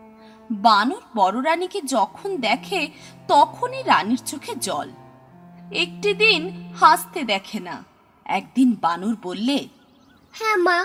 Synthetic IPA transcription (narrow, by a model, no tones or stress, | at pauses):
banuɾbɔɾoɾaniked͡ʑɔkʰond̪ɛkʰet̪ɔkʰoniɾaniɾt͡ɕokʰed͡ʑɔl | ek̚ʈid̪inhast̪ed̪ɛkʰena̰ | ɛ̰k̚d̪inbanuɾbolːe | hɛma